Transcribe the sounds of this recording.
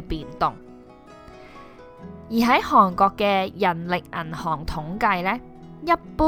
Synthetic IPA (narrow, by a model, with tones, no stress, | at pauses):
piː˨nt̪ʊ˨ŋ | jiː˨˩ɦɐ˨˥jhɔː˨˩ŋkɔː˧kːɛː˧jɐ˨˩nlɪ˨k̚ɐ˨˩nhɔː˨˩ŋt̪ʰʊ˨˥ŋkɐ˧jlɛː˥ | jɐ˥t̚puː˥